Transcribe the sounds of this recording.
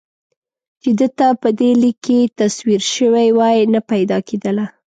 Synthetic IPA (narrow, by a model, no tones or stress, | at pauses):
t͡ʃed̪ət̪apəd̪elikʰːet̪aswiɾʃəwajwɑjnapajd̪ɑkʰed̪əla